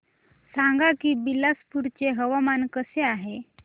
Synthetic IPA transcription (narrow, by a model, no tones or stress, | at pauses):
saŋɡakiːbilaspuɾt͡ɕeɦəʋamankəseaɦe